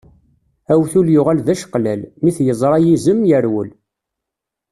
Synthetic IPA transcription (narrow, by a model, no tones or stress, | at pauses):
æwθuljʊʁælðæʃə̥qlælmiθjəzˤɾˤɑjizəmjəɾwəl